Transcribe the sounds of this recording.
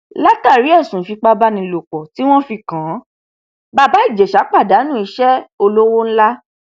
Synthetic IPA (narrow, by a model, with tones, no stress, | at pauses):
la˦ta˦˨ɾi˨˦ɛ˦˨sũ˨˦fi˧k͡pa˧ba˦nĩ˧lo˨k͡pɔ˨ti˨˦w̃ɔ̃˦fi˧kã˨˦ | ba˧ba˨˦i˦˨d͡ʒɛ˨ʃa˨˦k͡pa˦˨da˨˦nũ˦i˧ʃɛ˦o˧lo˦wo˦ñ̩˦la˦